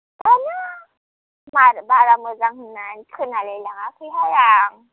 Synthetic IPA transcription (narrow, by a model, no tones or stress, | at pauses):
bɔna | mabaramɛzaŋ̩n̩nan̩tʰinalɛlaŋafikɔjaːŋ̩